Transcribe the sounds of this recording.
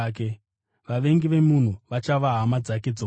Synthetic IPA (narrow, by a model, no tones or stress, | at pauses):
k̬e | ʋaʋe̞ŋɡiʋe̞mun̤uʋat͡ʃaʋaɦamad͡zake̞d͡zo